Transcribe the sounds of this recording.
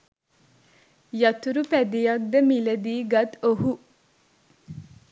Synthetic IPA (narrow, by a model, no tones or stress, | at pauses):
jɑt̪uɾupæd̪ijɑk̚d̪əmiləd̪iːɡad̪oɦu